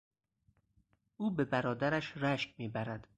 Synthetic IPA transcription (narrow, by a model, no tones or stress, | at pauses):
ʔuːbebæɾɒːd̪æɾæʃɾæʃkmiːbæɾæd̪̥